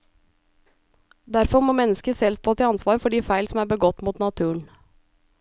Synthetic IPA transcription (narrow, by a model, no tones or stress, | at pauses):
d̪æɾfɔɾmoːmɛnəskəsɛlst̪ʰoːt̪ʰiːɑnsʋɑːɾfɔɖiːfæɪlsɔm̩æːɾbəɡɔt̪ːmuːt̪nɑt̪ʰʉːəɳ